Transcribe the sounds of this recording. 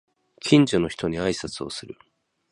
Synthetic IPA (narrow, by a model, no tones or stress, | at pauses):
kʲʰĩɲd͡ʑono̞çi̥t̪o̞ɲ̟iaisat͡sɨo̞̰sɨɾɯ̟